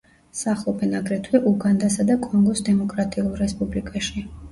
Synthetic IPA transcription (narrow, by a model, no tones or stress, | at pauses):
saχlˠɔpʰɛnaɡɾɛt̪ʰwiʔuɡand̪asad̪akʼɔŋɡɔsd̪ɛmɔkʼɾat̪ʼiulˠɾɛspʼublikʼaʃi